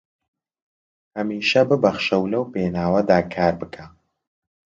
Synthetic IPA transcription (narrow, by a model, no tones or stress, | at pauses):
hɐmiːʃɐbɨbɐχʃɐwlɐwpenaːwɐd̪aːkʰaːɾbɨkʰa